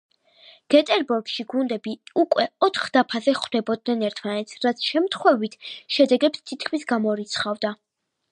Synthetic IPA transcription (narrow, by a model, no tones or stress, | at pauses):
ɡ̥ɛt̪ʼɛɾbuɾɡʃiɡund̪ɛbiukʼwɛɔt̪ʰχd̪apʰazɛχwd̪̥ɛbɔd̪̚nɛnɛɾt̪ʰmanɛt̪sʰɾat̪sʰʃɛmt̪ʰχwɛvit̪ʰʃɛd̪ɛɡɛpst̪ʰit̪kʰmisɡamɔɾit̪sʰχavd̪a